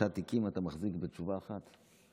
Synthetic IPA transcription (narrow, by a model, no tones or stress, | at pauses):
at̪ikimatamaχzikbet͡ʃuvaːχat̪